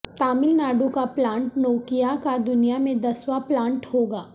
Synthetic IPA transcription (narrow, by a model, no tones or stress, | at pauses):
t̪aːmɪlnaːɖũkaplãːɳʈnɔːkijakad̪ʊnijamẽd̪ɐswaplãːɳʈhoːɡaː